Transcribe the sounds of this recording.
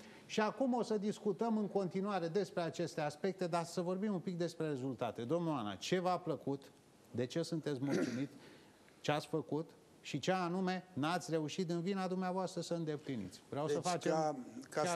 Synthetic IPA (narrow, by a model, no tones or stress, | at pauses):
ʃiakumo̞səd̪iskut̪əmɨŋko̞nt̪inuaɾe̞d̪e̞spɾe̞at͡ʃe̞st̪easpe̞k̚t̪e̞d̪asəvo̞rbimumpik̚d̪e̞spɾe̞ɾe̞zult̪at̪e̞d̪o̞mnuana̰t͡ʃe̞vapləkut̪ | d̪e̞t͡ʃe̞sunt̪e̞t̪sʲmult̪sumit̪ | t͡ʃeat̪sʲfəkut̪ | ʃit͡ʃeanume̞nat̪sʲre̞uʃit̪ɨnvinad̪umneavoast̪ɾəsəɨnd̪e̞plinḭt̪sʲvɾeawsəfat͡ʃea